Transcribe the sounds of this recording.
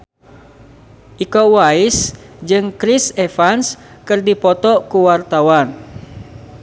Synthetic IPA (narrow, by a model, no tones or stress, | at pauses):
ʔikowaɪsd͡ʒɨŋkɾisefanskɨrdipɔt̪ɔkuwart̪awan